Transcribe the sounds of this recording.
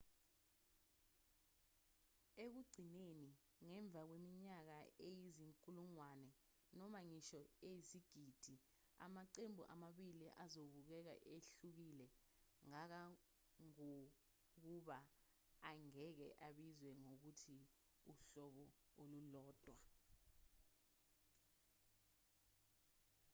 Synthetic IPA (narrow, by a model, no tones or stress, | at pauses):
ek̬uɡ͡ǀʱineni | ŋɛɱb̪vʱak̬wemiɲak̬aejiziŋkʼuluŋwanɛ | nɔmaŋiʃɔeisiɡ̥ʱid̥ʱi | a̰maǀembʱṵʔa̰maɓiliʔazoɓuk̬ɛk̬a̰ʔeɬuk̬ilɛ | ŋak̬a | ŋo | k̬uɓa | aŋɛk̬ɛ̰ʔaɓizwɛŋok̬utʰiuɬɔɓɔolulɔːd̥ʱwa